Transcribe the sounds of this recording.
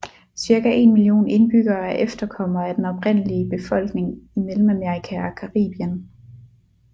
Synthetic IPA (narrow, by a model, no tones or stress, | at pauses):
siɐkæʔe̝nmilijo̝̰ːne̝nb̥yɡ̥ɐːæɐʔefd̥ɐkʰɒ̽m̰ɐæd̥enɒ̽pʰʁen̰əliəb̥e̝fɒ̽l̰ɡ̥ne̝ŋimelm̩æmeɐikʰæækʰɑʁḭːb̥iən